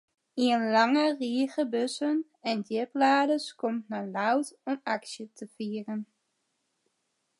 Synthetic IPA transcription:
iənlɑŋəriəɣəbøsən | ɛndɪplaːdəskɔmtnalawtɔmaksjətʰəfiːərən

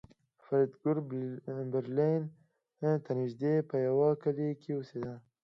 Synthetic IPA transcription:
faɾid̪ɡʊɾbeɾlin | t̪aniʒd̪epəjawɑkalekʰewused̪a

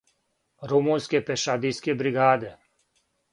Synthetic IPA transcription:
ɾomunskʲepeʃad̪iskʲebɾiɡaːd̪e

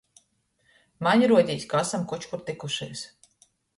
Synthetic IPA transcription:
maɲʲiɾuɔd̪ʲiːsʲkaasamkut͡ʃkuɾt̪ikuʃijs

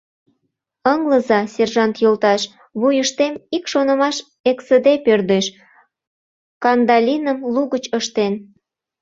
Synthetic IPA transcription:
əŋləzɑsʲerʒɑnt̪jolt̪ɑʃ | βujəʃt̪emikʃonə̆mɑʃ | eksəd̪epørd̪eʃ | kɑnd̪ɑlʲinəmluɣət͡ɕəʃt̪en

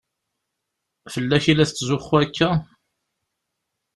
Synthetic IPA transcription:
fəlːæʃilæsːzʊχːuækːæ

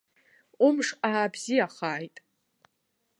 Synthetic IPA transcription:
umʂaːbzijaχaːjtʼ

